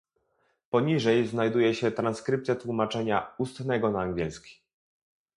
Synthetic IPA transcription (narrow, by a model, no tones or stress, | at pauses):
pɔɲiʐɛjznajd̪ujɛɕɛt̪ɾanskɾɘpt̪sʲjat̪wumat͡ʂɛɲaust̪nɛɡɔnaːŋɡʲɛlskʲi̥